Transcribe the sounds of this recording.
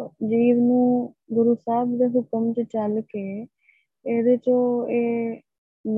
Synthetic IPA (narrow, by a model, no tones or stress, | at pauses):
d͡ʒiːɾnũː | ɡʊɾusaːbd̪eːɦʊkəmt͡ʃt͡ʃəlkeː | eːd̪eːt͡ʃõːeː | m